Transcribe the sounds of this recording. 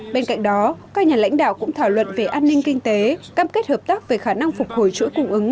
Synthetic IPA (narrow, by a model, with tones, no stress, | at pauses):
ɓe˧nka̰˧˨jŋ̟ɗɔ˨˦kaː˦˥k̚ɲaː˨˩la̰˧˥jŋ̟ɗa̰ː˧˨wkʊ̰˧˥ŋ͡mt̪ʰaː˧˩wlwə̰˧˨nve˨˩ʔaː˧nːï˧ŋ̟kï˧ŋ̟t̪e˨˦kaː˧mke˦˥t̚həː˨˩p̚t̪aː˦˥k̚ve˨˩xaː˧˩na˧ŋfʊ˨˩k͡p̚ho˧˩jt͡ɕṵ˧˥jkʊ˧ŋ͡mʔɨ˨˦ŋ